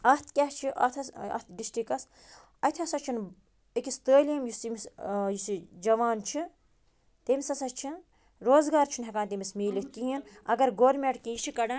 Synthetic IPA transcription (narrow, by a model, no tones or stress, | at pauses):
ɐt̪ʰkʲat͡ʃʰiʔɐ̰t̪ʰɐsɐ̰t̪ʰɖisʈikɐs | ɐt̪ʰʲɐsɐt͡ʃʰin | ekʲist̪əːlijɐmjusimisjusid͡ʒɐʋaːnt͡ʃʰi | t̪emisɐsɐt͡ʃʰi | ɾoːzɡaːɾt͡ʃʰunɦʲɐkaːnt̪imismeːlit̪̚ʰkiɦinɐ̰ɡɐɾɡoːɾmeʈkiit͡ʃʰikɐɽa